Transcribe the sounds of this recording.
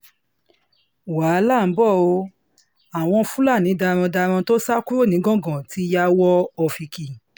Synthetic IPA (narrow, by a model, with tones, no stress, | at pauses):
wa˨˦la˦˨˦bɔ˦˨o˧ | a˨w̃ɔ̃˧fũ˦la˦˨nĩ˨˦da˧ɾ̃ɔ̃˧da˧ɾ̃ɔ̃˧to˦sa˦ku˦ɾo˦˨nĩ˨˦ɡɔ̃˦ɡɔ̃˨ti˨˦ja˦wɔ˦ɔ˧fi˧ki˨